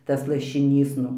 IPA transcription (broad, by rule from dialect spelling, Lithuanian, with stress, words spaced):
ˈtɐs lˠɐʃʲɪˈnʲiːs ˈnʊ